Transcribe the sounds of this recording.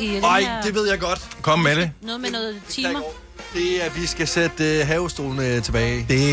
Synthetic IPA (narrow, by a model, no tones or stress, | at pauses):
ɑɪ̰d̥e̝ʋe̝ð̞̰ˠjɑɪɡ̥ɒ̽d̥kʰɒ̽məmedenɔːð̩ˠmenɔːð̩ˠt͡sʰiːmɐ | d̥e̝æʋisɡ̥æsed̥ɦɛːʊsd̥o̝ːlnət͡sʰe̝b̥ɛːɪd̥e